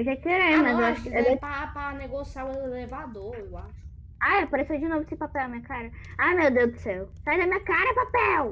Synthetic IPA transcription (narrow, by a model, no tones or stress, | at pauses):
ʒakeɾẽmɐewaʃewd̪epapaneɡosiaweelevad̪oɾewaʃʊ̥ | ajapaɾesewd͡ʒinovʊesɪpapɛwɐmĩɲɐkaɾɐajmewd̪ewd̪ʊsewsajd̪ɐmĩɲɐkaɾɐɛpapɛw